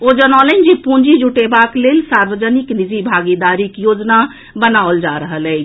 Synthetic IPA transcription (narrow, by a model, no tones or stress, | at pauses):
od͡ʒənalɛnd͡ʒipũnd͡ʒid͡ʒuʈebaklelsaɾbəd͡ʒəniknid͡ʒibʱaɡid̪aɾikjod͡ʒna | bənaold͡ʒaɾəɦəlɛt͡ʃʰ